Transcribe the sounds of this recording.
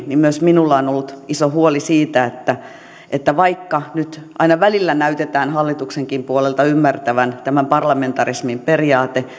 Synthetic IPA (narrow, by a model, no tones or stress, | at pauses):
nimmyøsminulːɑonolːut̪isohuolisiːt̪æet̪ːæ | ʔet̪ːæʋɑikːɑnyt̪ʔɑinɑʋælilːænæyt̪et̪æːnhɑlːit̪ukseŋkimpuolelt̪ɑymːært̪æʋænt̪æmæmpɑrlɑment̪ɑrismimperiɑːt̪e